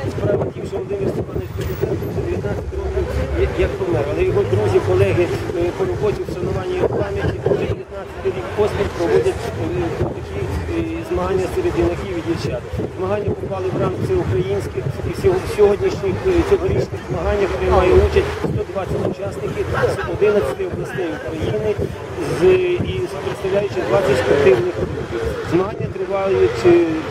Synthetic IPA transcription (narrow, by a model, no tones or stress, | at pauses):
spɾɑʋɐtʲiwʒɛɔd̪ɪmʲist̪ipɑnɪk̪pɾezɪd̪ɛnt̪ʊzʲɐd̪eʋʲjɐt̪nɑt͡sʲɐtt̪ɪɾɔkiwjɐkp̪ɔmɛɾɐlˠɛjɔɦɔd̪ɾuzʲikɔlˠɛɦɪpɔɾɔbɔt̪ʲiwʃɐnʊʋɑnʲːijɐpɑmʲjɐt̪ʲipɔʒɛd̪eʋjɐt̪nɑt͡ssʲɐt̪ɪɾʲikpɔsʲpʲixʲpɾɔʋɔdʲɐtʲt̪ɐkʲizmɐɦanʲːɐseɾed̪ɪnɐkʲiwʋʲid̪ʲit͡ʃat̪zmɐɦɑnʲːɐpɪpɑlˠɪwɾɑnk̪sʲɛʊkɾɐjinʲsʲkɪxissʲɔɦɔdʲnʲiʃnʲɪxt͡sʲɔɦɔɾʲit͡ʃnɪxzmɐɦɑnʲːɐp̪ɾɪmɑjɛut͡ʃɐsʲtʲst̪ɔd̪ʋɑsʲɐtʲʊt͡ʃɑsnɪkɪsʲɛɔd̪ɪnɐsʲɐ̥t̪ɛɔblˠɐst̪ɛjʊkɾɐjinɪ | zipɾɪt̪st̪ɐʋwlʲajʊt͡ʃɪd̪ʋɑt͡sʲɐtʲspɐt̪ɪwnɪxɾɔkʲiwzmɐɦanʲːɐt̪ɾɪʋɑjʊtʲ